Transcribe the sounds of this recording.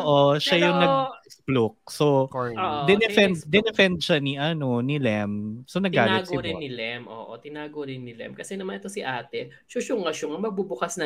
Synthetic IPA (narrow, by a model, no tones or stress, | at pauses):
ʔoʔoʃajʊŋnɐɡ̚ɐsplok̚sooʔd̪ɛnɛfɛnd̪d̪ɛnɛfɛnd̪̚ʃaniʔɐno̞nɪlɛmsonɐɡaːlɪɡ̪ɪɾɪɪlɛmʔo̰ːʔo̰t̪ɪnaːɡoɾɪnːɪlɛ̰mkɐsɛnɐmaɐnʔɛt̪osɪʔaːt̪ɛ | ʃoʃoŋɐʃoŋɐmɐɡ̚bubʊkasnɐ